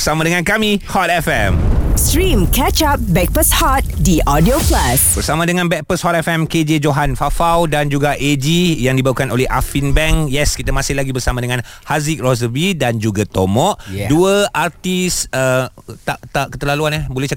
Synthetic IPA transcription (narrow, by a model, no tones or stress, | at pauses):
bəsamãdəŋãnkamĩhɔt̪̚ɛfɛmstɾĩmkɛt͡ʃap̚bɛk̚pəshɔt̪̚diʔɔdioplasbəɾsamãdəŋãnbɛk̚pəshɔt̪̚ɛfɛmked͡ʒed͡ʒoɦanfafawdand͡ʒuɡaʔed͡ʒijaŋdibaukanolɛhʔa̰finbɛŋjɛskit̪amasɪhlaɡibərsamadəŋãnhazik̚rozəbidand͡ʒuɡat̪omɔ̃ʔduəʔart̪isət̪at̪aʔkə̥t̪əlaluanabolɛht͡ʃa